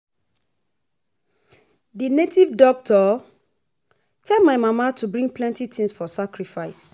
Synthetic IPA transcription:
dinetivdɔk̚tʰɔ | tʰɛlmaɪmamatʰubɹĩŋɡplɛ̃ntitʰĩŋsfɔsakɹifaɪs

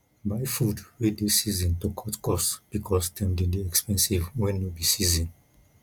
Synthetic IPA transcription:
baɪjfudwedesizɔ̃ntokʰɔtkɔsb̥ikʰɔsdɛ̃mdediɛkspɛ̃nsivwɛ̃nːobisizɔ̃n

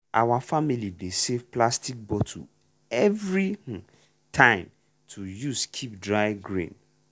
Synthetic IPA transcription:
ʔa̰wafamilidesevplastik̚bɔtʰṵ | ɛvɹĩ | tʰãɪ̃m | tʰujuskʰip̚dɹaɪɡɹḭ̃n

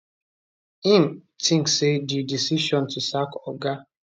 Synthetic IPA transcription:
ĩn | tʰĩŋksedidisiʃɔ̃ntusakɔɡa

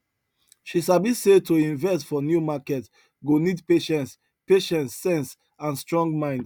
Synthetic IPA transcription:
ʃisabisetoĩnvɛstfɔnjumakɛt | ɡonidpeʃɛ̃nts | peʃɛ̃nsːɛ̃ns | ãnstɹɔ̃ŋɡmãɪ̃nd

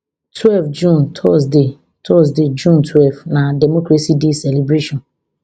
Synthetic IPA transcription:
tʰwɛlfd͡ʒũntʰɔsde | tʰɔsded͡ʒũntwɛlvnadɛmɔkɾesidesɛlebɾeʃɔ̃n

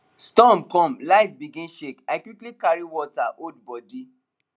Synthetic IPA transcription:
stɔ̃mkɔ̃mlaɪt̚biɡĩnʃekakwiklikaɾiwɔtaʔod̚bɔdi

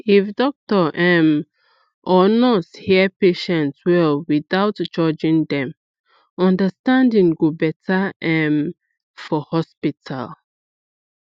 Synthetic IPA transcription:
ifdɔk̚tɔʔɛm | ʔɔnɔthipeʃɛ̃ntwɛlwiθawtd͡ʒɔd͡ʒĩŋdɛ̃m | ɔ̃ndəstãndĩŋɡobɛtʰaɛ̃m | fɔhɔspitʰa̰l

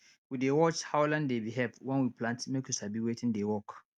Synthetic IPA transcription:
widewɔt͡ʃhawlãndebiɦɛpwɛ̃nwiplãntmekjusabiwetɪ̃ndewɔk

